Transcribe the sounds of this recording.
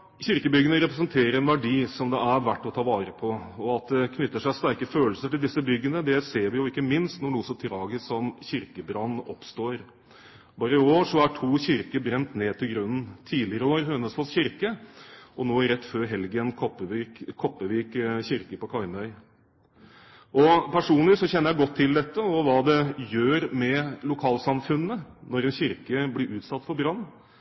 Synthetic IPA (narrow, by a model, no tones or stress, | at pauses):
çɪɾkəbʏɡənəɾɛpɾɛsənt̪ʰeːɾəɾɛnʋæɖiːsɔmd̪ɛæʋæʈːɔt̪ʰɑːʋɑːɾəpʰɔɔɑt̪̚d̪ɛkʰnʏt̪ːəʂæɪst̪æɾkəføːlsəʈɪld̪ɪsːəbʏɡːənəd̪ɛseːɾʋɪjʊɪkːəmɪnst̪nɔɳuːəsɔmt̪ʰɾɑːɡəsɔmçɪɾkəbɾɑnːɔpst̪oːɾ | bɑːɾəɪoːʂɔæʈʰuːçɪɾkəbɾɛnt̪neːt̪ɪlɡɾʉnn̩t̪ʰiːlɪəɾəoːɾhœnːəsfɔsçɪɾkəʔɔnoːɾɛt̪ːføːɾɦɛlɡənkʰɔpəʋikkʰːɔpːəʋiːkçɪɾkəpɔkʰɑɪmœʏ | ʔɔpʰæʂuːnlɪsɔçɛnːəɾjæɪɡɔt̪ʰːɪld̪ɛt̪ːəɔʋɑːd̪ɛjøːɾmɛlʊkʰɑːlsɑmfʉnːənɔɾɛnɕɪɾkəblɪɾʔʉːt̪sɑt̪ːfɔɾbɾɑnː